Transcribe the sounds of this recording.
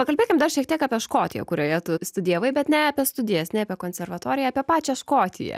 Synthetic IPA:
pɐkɐlʲbʲeːkʲɪmd̪ɐrʃʲiɛk̚t̪iɛkɑːpʲiɛʃkoːt̪ʲɪjɛ̰kʊɾʲoːjɛt̪ʊst̪ʊd̪ʲijɛʋɐɪbʲɛt̪nʲɛɐpʲɛst̪ʊd̪ʲɪjɛsnʲɛɐpʲɛkoːnʲsʲɛrʋɐt̪oːɾʲɪjɛɐːpʲiɛpɑːt͡ʃʲɛʃkoːt̪ʲɪ̰jɛ̰

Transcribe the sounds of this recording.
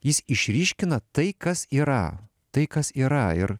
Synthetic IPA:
jɪsɪʃʲɾʲiːʃʲkʲɪnɐt̪ɐɪkɐsiːɾɐ̰ | t̪ɐɪkɐsiːɾɐɪɾ

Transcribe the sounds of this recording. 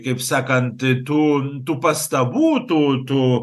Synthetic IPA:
kepsakantetut̪upast̪abutut̪u

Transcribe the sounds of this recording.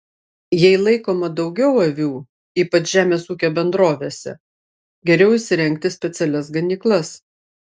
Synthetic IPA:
jɛɪlˠɐɪkoːmɐd̪ɒʊɡʲɛʊɐʋʲuː | iːpɐt͡ʃʒʲæːmʲeːsuːkʲoːbʲɛnd̪ɾoːʋʲeːsʲɛ̰ | ɡʲɛɾʲɛʊɪʃʲsʲɪɾʲɛŋʲk̚t̪ʲɪsʲpʲɛt̪sʲɛlʲɛsɡɐnʲiːklˠɐs

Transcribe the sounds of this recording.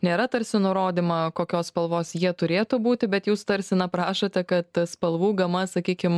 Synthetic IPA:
nʲeːɾɐt̪ɐɾʲsʲɪnʊɾoːd̪ʲimɐkoːkʲoːsspɐlˠʋoːsjiɛt̪ʊɾʲeːt̪ʊbuːt̪ʲɪbʲɛt̪juːst̪ɐɾʲsʲɪnɐpɾɑːʃot̪ʲɛkɐt̪spɐlˠʋuːɡɐmɐsɐkʲiːkʲɪm

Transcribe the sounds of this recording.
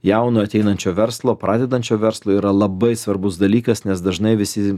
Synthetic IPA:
jɛʊnoːɐt̪ʲɛɪnɐnʲt͡ʃʲoːʋʲɛɾslˠoːpɾɑːd̪ʲɛd̪ɐnʲt͡ʃʲoːʋʲɛɾslˠoːiːɾɐlˠɐbɐɪsʋɐɾbʊsd̪ɐlʲiːkɐsnʲɛsd̪ɐʒnɐɪʋʲɪsʲɪ

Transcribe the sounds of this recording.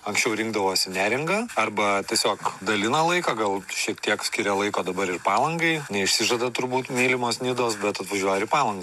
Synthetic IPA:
ɐŋksʲt͡ʃʲɛʊɾʲɪŋɡd̪ɐʋoːsʲɪnʲæːɾʲɪŋɡɐɐrbɐt̪ʲiɛsʲoːkd̪ɐlʲɪnɐlˠɐɪkɐɡɐlˠʃʲiɛk̚t̪ʲiɛksʲkʲɪɾʲɛlˠɐɪkoːd̪ɐbɐɾɪrpɑːlˠɐŋɡɐɪnʲɛɪʃʲsʲɪʒɐd̪ɐt̪ʊɾbuːt̪mʲiːlʲɪmoːsnʲɪd̪oːsbʲɛt̪ɐt̪ʋɐʒʲuɔjɛɪpɑːlˠɐŋɡɐ

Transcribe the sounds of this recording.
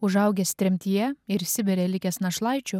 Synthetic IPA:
ʊʒɐʊɡʲɛsʲt̪ʲɾʲɛmʲt̪ʲijɛɪɾsʲɪbʲɛɾʲɛlʲɪkʲɛsnɐʃlˠɐɪt͡ʃʲʊ

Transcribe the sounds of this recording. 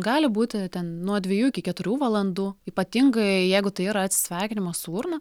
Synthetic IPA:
ɡɑːlʲɪbuːt̪ʲɪt̪ʲɛnnuɔd̪ʲʋʲɛjuːɪkʲɪkʲɛt̪ʊɾʲuːʋɐlˠɐnd̪uːiːpɐt̪ʲiŋɡɐɪjɛɪɡʊt̪ɐɪiːɾɐɐt̪ʲsʲɪ̥sʲʋʲæːkʲɪnʲɪmɐsuːrnɐ

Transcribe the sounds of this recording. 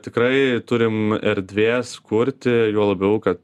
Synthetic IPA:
t̪ʲɪkɾɐɪt̪ʊɾʲɪmɛɾʲd̪ʲʋʲeːskʊɾʲt̪ʲɪjuɔlˠɐbʲɛʊkɐt̪

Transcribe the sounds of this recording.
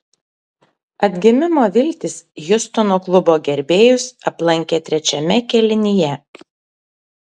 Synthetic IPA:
ɐd̪ʲɡʲɪmʲɪmoːʋʲɪlʲt̪ʲɪsjʊst̪ɔnoːklˠʊboːɡʲɛɾʲbʲeːjʊsɐplˠɐŋʲkʲeːt̪ʲɾʲɛt͡ʃʲɛmʲɛkʲɛlʲɪnʲɪjɛ

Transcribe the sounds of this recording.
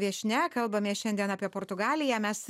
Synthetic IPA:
ʋʲiɛʃʲnʲɛkɐlˠbɐmʲeːʃʲɛnʲd̪ʲiɛnɑːpʲiɛpoːɾt̪ʊɡɑːlʲɪjæːmʲɛs

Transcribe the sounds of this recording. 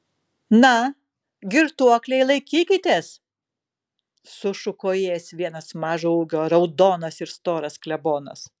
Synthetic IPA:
nɐ | ɡʲɪɾt̪uɔklʲɛɪlˠɐɪkʲiːkʲɪt̪ʲeːs | sʊʃʊkoːjeːsʋʲiɛnɐsmɑːʒouɡʲoːɾɐʊd̪oːnɐsɪɾst̪oːɾɐsklʲɛboːnɐ̰s

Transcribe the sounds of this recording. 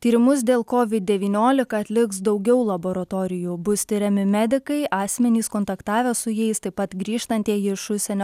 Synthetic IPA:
t̪ʲiːɾʲɪmʊs̬d̪ʲeːlˠkoːʋʲɪd̪̚ʲd̪ʲɛʋʲiːnʲoːlʲɪkɐɐt̪ʲlʲɪksd̪ɒʊɡʲɛʊlˠɐboːɾɐt̪oːɾʲɪjuːbʊst̪ʲɪɾʲɛmʲɪmʲɛd̪ʲɪkɐɪʔɑːsʲmʲɛnʲiːskɔːnt̪ɐkt̪ɑːʋʲɛːsʊjɛɪst̪ɐɪpɐt̪ɡɾʲiːʃt̪ɐnʲt̪ʲiɛɪʃʊʃsʲɛnʲoː

